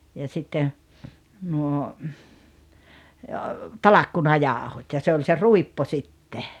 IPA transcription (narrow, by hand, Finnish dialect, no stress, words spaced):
jɑ sitːen̞ nuo tɑlɑkːunɑjɑˑohot jɑ se olʲ se ruipːo sitːe